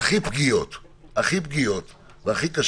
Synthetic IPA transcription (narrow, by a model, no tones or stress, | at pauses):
aχipɡijot̪ | aχipɡijo̞t̪ | veaχikaʃ